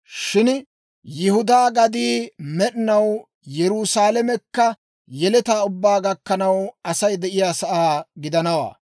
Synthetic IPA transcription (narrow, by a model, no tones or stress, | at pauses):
ʃɪn | jɪhʊd̪aːɡɐd̪iːmɛɗɪnɐw | jɛɾuːsaːlɛmɛkːɐ | jɛlɛt̪aːʊbːaːɡɐkːɐnɐwɐsɐjd̪ɛʔɪjaːsɐʔaːɡɪd̪ɐnɐwa̰ː